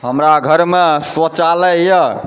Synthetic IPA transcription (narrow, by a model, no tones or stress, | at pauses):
ɦəmɾaɡʱəɾmesət͡ʃalɛjə